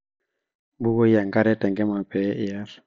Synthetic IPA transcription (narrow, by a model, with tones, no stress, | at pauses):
bu˦ɡo˦ja˨ŋɡa˦ɾɛ˦tɛ˨ŋɡɛ˦ma˨pɛ˨˦ʔɪ˦ja˦ɾ